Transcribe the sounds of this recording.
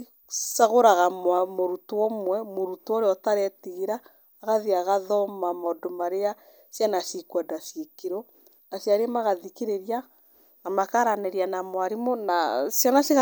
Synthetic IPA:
saɣoɾaɣamwamoɾutuɔmwɛmoɾutɔɾeɔtaɾɛtiɣiɾaː | ɣaðiaɣaðɔmamɔdomaɾea | sjanasikwɔdasikiɾo | asjaɾemaɣaðikiɾeɾia | namakaɾanɛɾianamwaɾimonasjanasiɣ

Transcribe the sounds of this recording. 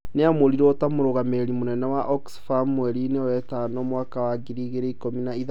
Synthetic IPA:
neamoɾiɾɔtamoɾoɣameɾeɾimonɛnɛwaʔɔksfamwɛɾinewɛtanɔmwaːkawaɡiɾiɣeɾeikominaiða

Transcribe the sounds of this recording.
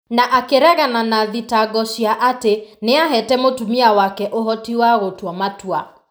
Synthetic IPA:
naʔakeɾɛɣananaðitaɣɔʃiaʔateneaɦɛtɛmotumiawakɛʔoɦɔtiwaɣotwɔmatwa

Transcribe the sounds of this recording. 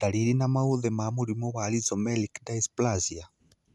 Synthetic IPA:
daliɾinamauðɛmamuɾimɔwalizɔmɛlikdaisplazia

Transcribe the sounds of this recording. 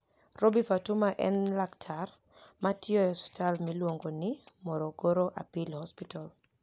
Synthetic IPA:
robifatumaʔɛnlaktʰar | matjɔɔspi̥talmilwoŋɡonɪmɔɾoɡoɾoʔa̰pilhɔspital

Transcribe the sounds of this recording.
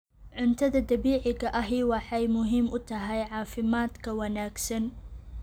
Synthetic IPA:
ʕʊnt̪ʰɐðɐd̪ɐβiːʕɪɣɐʔɐɦiwɑħɑjmʊɦiːmʊt̪ʰɐɦɛjʕɑːfɪmaːd̪kʰɐwɐnaːɡsɐn

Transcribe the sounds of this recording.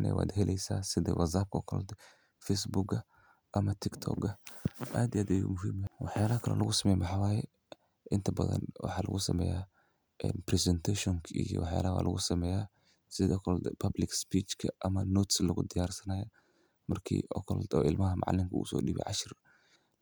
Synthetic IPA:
nɛ̰wa̰ːd̪ɦɛlʔɛjsa̰ːsɪðɛ̰wɐzaːb̚kʰɐɔkʰɔlɔ̰d̪ɛ | fɛsbuɡɐ | ʔɐmɐt̪ʰɪkt̪ʰɔ̰ɡɐʔaːd̪iaːd̪ɐjṵmʊɦiːmwɑħjaːlɐkʰɐlɐ̰lʔɐɣʊsɐmɛjmʊħɑwaːjɛ | ʔɪnt̪ʰɐbɐðɐ̰nwɑ̰ħɑːlɐ̰ɣʊsɐmɛ̰ja | ʔɛːnprɛsɛnt̪ʰɛʃɔŋkʰɐijɔ̰wɑħja̰ːlɐwa̰ːlʔɐɣʊsɐmɛːjaː | sɪðɔkʰɔlɔd̪ɛpʰɐblɪkspiːt͡ʃkʰɐʔɐmɐnɔːt̪slɐɣʊd̪ɪjaːrsɐnaːjɐ | mɐrkʰḭːɔkʰɔl̰d̪ɔɪlmɐɦɐmɑ̰ʕ̰lɪŋkʰɐʊ̰sɔ̰ːɗibɛ̰ʕɑʃɪr

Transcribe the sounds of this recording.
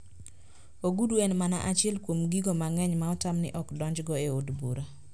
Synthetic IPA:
oɡuduenmana̰ʔat͡ʃɪɛlkwomɡiɡomaŋɛɲmaɔtamnɪ̰ʔɔkdɔɲd͡ʒɡɔeodbṵɾa

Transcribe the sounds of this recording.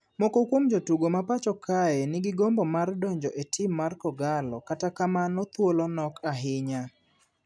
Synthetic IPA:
mɔkokwomd͡ʒotuɡomapat͡ʃɔkʰaɛnɪɡɪɡombɔmardɔɲd͡ʒɔʔetʰɪmːarkɔɡalɔkatakamanɔt̪wolɔnɔkʰaɦɪɲa

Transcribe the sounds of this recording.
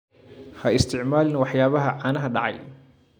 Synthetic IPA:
hɐɪst̪ʰɪʕmaːlɪnwɑħjaːβɐɦɐʕaːnɐɦɐɖɑʕɑ̰j

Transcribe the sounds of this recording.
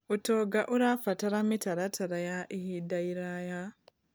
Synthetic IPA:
utoɡaʔuɾafataɾamitaɾatʰaɾajaʔihidaiɾaja

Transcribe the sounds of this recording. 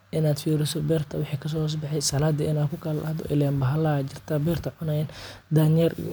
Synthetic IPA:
ʔɪnaːd̪fiːɾɪsɔbɛːrt̪ʰɐwɪħiːkʰɐs̬ɔːs̬bɑħɛjsɐlaːd̪ɐɪnaːkʰʊkʰɐlɐlɐ̰hd̪ɔ̰ʔɪ̰lɛːmbɐɦɐlad͡ʒɪrt̪ʰabɛːrt̪ʰɐʕʊnɛjn | d̪aːnɛr

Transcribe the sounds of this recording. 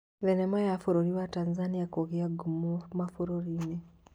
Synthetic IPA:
βenemajafoɾoɾiwatanzanijakoɣiaɡumumafoɾoɾine

